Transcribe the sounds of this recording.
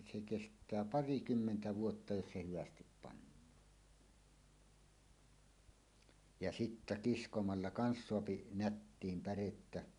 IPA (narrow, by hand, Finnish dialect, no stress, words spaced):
se kestˑæː pɑrikymːentæ ʋuotːɑ jos se hyʋæstip pɑnːɑːn jɑ sitːæ kiskomɑlːɑ kɑns soɑpi nætːiːm pæretːæ